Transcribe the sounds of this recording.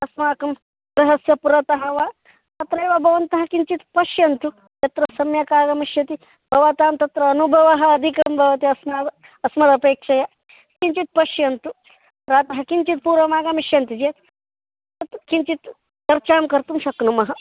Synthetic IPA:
ɐsmaːkɐm | ɾɐɦɐsjɐpuɾɐt̪ɐɦɐʋa | t̪ɐt̪ɾɐjʋɐbʱɐʋɐnt̪ɐɦɐ̆kint͡ʃit̪pɐʃjɐnt̪u | jɐt̪ɾɐsɐmjɐkaːɡɐmiʃjɐt̪i | bʱɐʋat̪aːmt̪ɐt̪ɾɐːnubʱɐʋɐɦɐɐd̪ʱikɐɐmbʱɐʋɐt̪iɐsmaːd̪ | ɐsmɐt̪ɐpeːkʂɐjɐ | kint͡ʃit̪̚pɐʃjɐnt̪u | ɾaːt̪ɐɦɐkint͡ʃit̪̚puːɾɐmaːɡɐmiʃjɐnt̪id͡ʒeːt̪ | t̪ɐt̪kint͡ʃit̪ | k̪ɐɾt͡ʃaːmkɐɾt̪umʃɐknumɐɦɐ̆

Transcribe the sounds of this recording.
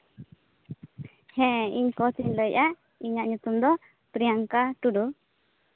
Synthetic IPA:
hɛ̃iɲkɔt̪iɲləjʔa | iɲaʔɲut̪umd̪ɔ | pɾijaŋkaʈuɖu

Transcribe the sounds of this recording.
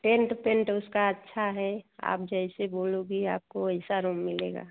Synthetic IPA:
ʈẽɳʈpẽɳʈʊskaətːʃʰaɦɛa̰ːp̚d͡ʒɛɪseboːloɡia̰ːp̚koəɪsaɾoːmːɪlḛːɡa̰ː

